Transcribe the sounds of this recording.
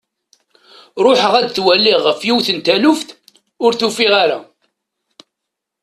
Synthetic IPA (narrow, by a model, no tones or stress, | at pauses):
ɾˤoħəʁæd̪θwælːiʁːəfjiwθənt̪ælʊfθ | ʊɾθufiʁaɾa̰